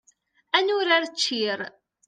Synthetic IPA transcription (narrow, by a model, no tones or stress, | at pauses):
ænʊɾaɾt͡ʃːiɾ